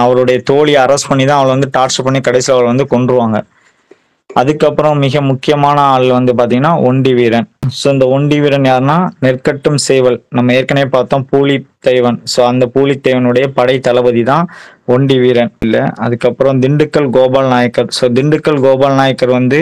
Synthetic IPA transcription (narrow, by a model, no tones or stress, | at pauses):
ɐʋɐɭɯɽɐjɐt̪oːɭiɐɾɐspɐɳːit̪ãːɐʋɐɭʋɐnd̪ɯʈaːʈsɐpːɐɳːikɐɽɐɪsɪlɐʋɐɭʋɐnd̪ɯkɔɳɖɾɯʋaːŋɡɐ | ɐðɯkːɐpːɯɾɐ̃mɪɣɐmʊkːɪjɐmaːnɐaːɭʋɐnd̪ɯpaːɾt̪̬iŋɡɐnːaːʔɔɳɖiʋiːɾɐnsoːɪnd̪ɐɔɳɖiʋiːɾɐnjaːɾɯnaːnɪrkɐʈːɯmsɛːʋɐɭnɐmːɐeːɾkɐnɐeːpaːɾt̪õːpuːlit̪ːɐɪʋɐnsoːɐnd̪ɐpuːlit̪ːɐɪʋɐnɯɽɐjɐpɐɽɐɪt̪ːɐlɐʋɐðit̪ãː | ɔɳɖiʋiːɾɐnɪlːɐ̰ɐ̰ðɯkːɐpːɯɾɔ̃d̪ɪɳɖɯkːɐɭɡoːbaːlnaːjɐkːɐɾsoːd̪ɪɳɖɯkːɐɭɡoːbaːlnaːjɐkːɐɾʋɐnd̪ɯ